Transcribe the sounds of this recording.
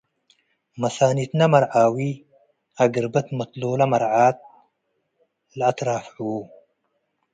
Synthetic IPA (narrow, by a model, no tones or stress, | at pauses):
mɐsaːnit̪namɐɾʕaːwi | aɡəɾbət̪mɐt̪loːlɐmɐɾʕaːt̪̚ | lat̪ɾaːfʕu